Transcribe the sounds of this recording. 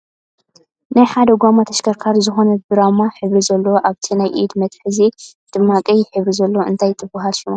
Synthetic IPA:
najħad̪ɐɡʷamat̪ʰɐʃkʰɐɾkʰaɾzɨxo̞nɐbɨɾamaħɨβɾizɐlːoʔaβt̪ʰinajʔḭd̪mɐt̪ħɨzi | d̪̥ɨmːakʼijɪħɨβɾizɐlːoʔɨ̰nt̪ʰajt̪ʼʰɨbaɦalʃimo

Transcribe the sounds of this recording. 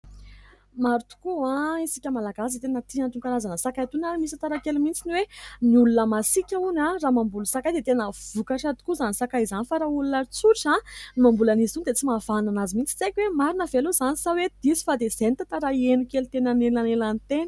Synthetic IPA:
maɾut̪u̥kuãisikʲəmalaɡaset̪enət̪iant̪uŋɡaɾazanəsakajt̪unaɾimisat̪aɾakelumint͡siniweniulunəmasikʲaunãraːmambulusakajd̪et̪enəv̥ukaʈ͡ʂad̪u̥kuzanisakajizanifaɾaulunaɾit͡suɾiʈ͡ʂãmambulanizund̪et͡simavananazimint͡si̥t͡sejkʲwemaɾinəveluzanisawed̪̥isi̥fad̪ezent̪at̪aɾaenukelut̪enanelanelanit̪enə̥

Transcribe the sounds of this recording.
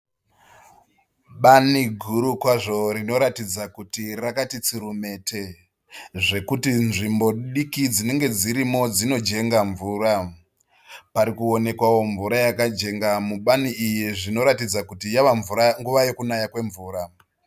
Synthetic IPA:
ɓaniɡʱuɾukwaʐo̞rino̞ɾatid͡zakutirakatit͡siɾume̞tʰe̞ | ʐe̞kutinʐimbo̞ɗikid͡zine̞ŋɡe̞d͡ziɾimo̞d͡zino̞d͡ʒe̞ŋɡaɱvuːɾa | paɾikuo̞ne̞kwawo̞ɱvuɾajakad͡ʒe̞ŋɡamuɓaniʔijiʐino̞ɾatid͡zakutijaʋaɱvuɾaŋɡuʋaje̞kunajakwe̞ɱvuːɾa

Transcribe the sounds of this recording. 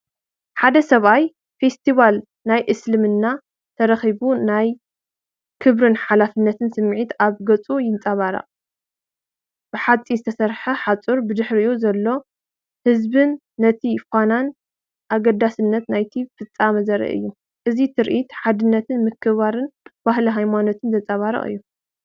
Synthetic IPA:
ħad̪ɐsɐβaj | fe̞st̪ʰiβal | najʔɨslɨmɨnːa | t̪ʰɐɾɐxiβunaj | kʰɨβɾɨnħalafɨnːɐt̪ʰɨnsɨmːʕit̪aβɡɐt͡sʼujɪnt͡sʼaβaɾɐ̰qʼ | b̥ɨħat͡sʼizɨt̪ʰɐsɐɾħɐħat͡sʼuɾbɨd̪ɨħɾɨjuzɐlːo̞ | hɨzbɨnː | ɐt̪ʰifanan | ʔaɡɐd̪asɨnːɐt̪najt̪ʰifɨt͡sʼːamɐzɐɾɐ̰ʔɨ̰jːu | ʔɨzit̪ʰɨɾʔit̪ħad̪ɨnːɐt̪ʰɨnmɨkʰːɨβaɾɨnbaɦliɦajmano̞t̪ʰɨnzɐt͡sʼaβaɾɐ̰χʼɨ̰jːu

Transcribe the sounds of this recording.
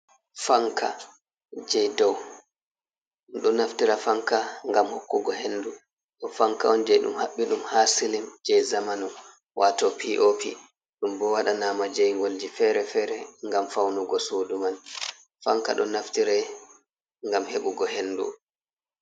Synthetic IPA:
faŋkʰa̰ | d͡ʒɛjdɔw | ɗɔnaftiɾafaŋkaŋɡamhokːuɡɔhendu | ɗɔfaŋka̰ɔnd͡ʒɛjɗṵmhaɓːiɗumhasilimd͡ʒɛjzamanɔ | wʔatɔpʰiʔopʰḭ | ɗumbɔwaɗanaːmad͡ʒɛjŋɡold͡ʒifɛɾɛfɛːɾɛŋɡamfawnuɡɔsoːduman | faŋka̰ɗɔ̰naftiɾɛ | ŋɡamheɓuɡɔhendṵ

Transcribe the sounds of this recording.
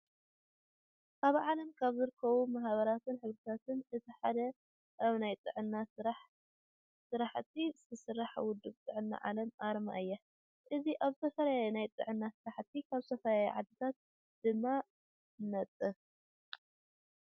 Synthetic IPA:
ʔaβʕalɐmkʰaβzɨɾɨkʰːɐβumahβɐɾat̪ʰɨnħɨβɾɨt̪ʰat̪ʰɨnɨt̪ʰiħad̪ɐ | ʔaβnajt̪ʼɨ̰ʕɨnːaɾaħ | sɨɾaħt̪ʰːizɨt̪ʰɐsɨɾːaħawʊd̪ːɨbt̪ʼɨʕɨnːa̰ʕa̰lɐmʔaɾma̰ʔɨjːa | ʔɨziʔaβzɨt̪ʰɐfɐlaajnajt̪ʼɨ̰ʕɨnːasɨɾaħt̪ʰikʰaβsɐfɐlajʕad̪ɨt̪ʰat̪̚ | d̪̥ɨmːa | nɐt̪ʼːɨ

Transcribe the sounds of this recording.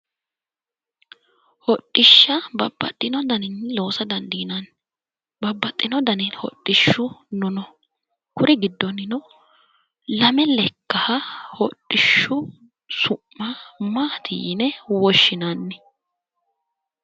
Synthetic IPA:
hɔtʼːɪʃːɐbɐbːɐ̰t̪ʼːɪnɔd̪ɐnɪnːlo̞ːsɐd̪ɐnd̪iːnanː | bɐbːɐt̪ʼːɪnɔd̪ɐnɪnhɔ̰tʼːɪʃːʊnʊnɔ | kʊɾɪɡɪd̪ːɔnɪnɔ | lɐmɛlɛkːɐhɐhɔtʼːɪʃːʊ | sʊmːɐmaːt̪ʰḭːnɛwɔʃːɪnanːɛ

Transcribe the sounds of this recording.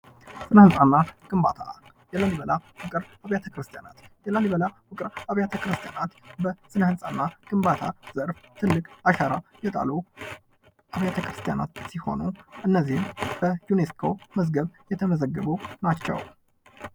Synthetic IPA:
sɨnəhɨnsʼanːaɡ̥ɨmba̰t̪ʰa̰ | jɛlaliβəlawʊkʼɨɾaβjat̪ʰəkɾɨst̪ʰja̰na̰t̪jɛlaliβəlawʊkʼɨɾaβjat̪ʰəkɾɨst̪ʰija̰nat̪bəsɨnəhɨnsʼanːaɡ̥ɨmbat̪ʰaz̥əɾft̪ʰɨlːɨkʼaʃaɾajɛt̪ʼa̰lu | ʔaβjat̪ʰəkɾɨst̪ʰija̰na̰t̪siho̞̰nuʔɨnːəzihmbəjuneskʰo̞məzɡəβjɛt̪ʰəməzəɡːəβunat͡ʃːɛ̰w

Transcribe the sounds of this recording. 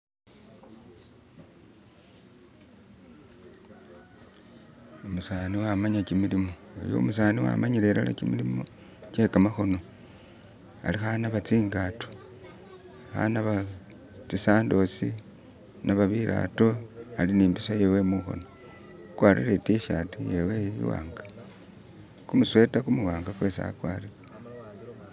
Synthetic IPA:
omusaniwamaɲakimilimoo̰jo̰musaːniwa̰maɲileɾa̰la̰kimilimo | cekamaxo̞no̞ | a̰lixanaβat͡siːŋɡato̥ | xa̰naβa | t͡sisaːndo̞si | naβaβiɾʔa̰to̞aliniːmbisojewe̞muxo̰no | ukwaɾḭɾetiʃatujeweḭwa̰ːŋɡḁ | kumuswe̞takumuwaːŋɡakwesa̰kwa̰ri

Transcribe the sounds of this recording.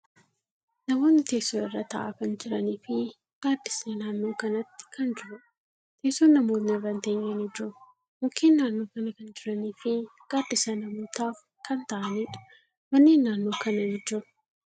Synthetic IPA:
nɐmo̞ːnːɪt̪eːsoːɪrːɐt̪ɐ̰ʔɐ̰kɐnd͡ʒɪɾɐniːfɪ | ɡ̥aːd̪ːɪsnɪnaːnːo̞ːkɐnɐt̪ːɪ̥kɐnd͡ʒɪɾɐ | t̪ʰe̞ːsoːnːɐmoːt̪nɪrːɐnt̪eːɲːɐnɪd͡ʒɪɾʊ | mʊkʰːeːnːaːnːo̞ːkɐnɐkɐnd͡ʒɪɾɐniːfɪɡ̥aːd̪ːɪsɐnɐmoːt̪aːf | kʰɐnt̪ɐʔɐniːᶑʊ̥ | mɐnːeːnːaːnːo̞ːkɐnɐjɪd͡ʒʊɾ

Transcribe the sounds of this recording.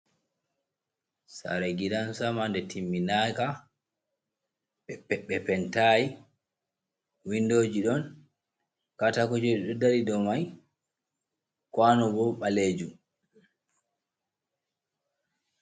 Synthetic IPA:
sa̰ɾɛɡiɾansamandɛtʰimːinaka | ɓɛɓɛɓɛpɛntai | windoːd͡ʒiɗɔn | katakɔd͡ʒɔɗɛɗɔdaɾidɔmaj | kwanɔbɔɓaleːd͡ʒu

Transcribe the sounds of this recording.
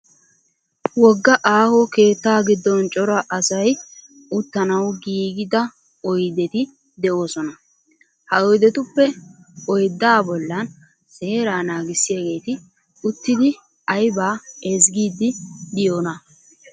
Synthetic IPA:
wɔɡːɐʔaːhɔke̞ːt̪ːaːɡɪd̪ːɔnt͡ʃʼɔɾɐʔɐsɐj | ʊt̪ːɐnɐwɡiːɡɪd̪ɐ | ɔjd̪ɛt̪ɪ | d̪ɛʔo̞ːsɔnɐ | hɐɔjd̪ɛt̪ʊpːɛ | ɔjd̪ːaːbɔlːɐn | seːɾaːnaːɡɪsːɪjaɡe̞ːt̪ɪ | ʊt̪ːɪd̪ɪ | ɐjbaːɛzɡiːd̪ːɪd̪ɪjoːnɐ

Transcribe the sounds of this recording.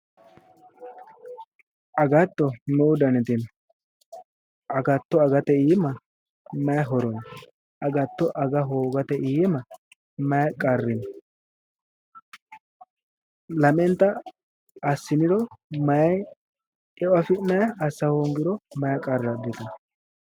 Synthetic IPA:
ɐɡɐt̪ːɔmɛʊd̪ɐnɛt̪ɪn | ɐɡɐt̪ːɔɐɡɐt̪ɛiːmɐ | mɐjɐɦɔɾɔn | ɐɡɐt̪ːɔʔɐɡɐɦoːɡɐt̪ɛʔiːmɐ | mɐjɐkʼɐrːɪn | lɐmɛnt̪ːɐ | ɐsːɪnɪd̪ɔmɐjɐj | ɛɐfɪnɐjɐʔɐsːɐhoŋɡɪɾɔmɐjɐkʼɐrːɐd̪ːɛt̪ɐ

